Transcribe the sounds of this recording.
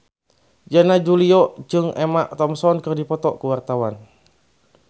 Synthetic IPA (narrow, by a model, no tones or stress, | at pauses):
d͡ʒanad͡ʒuliɔd͡ʒɨŋʔɛmaʔt̪ɔmsɔnkɨrdipɔt̪ɔkuwart̪awan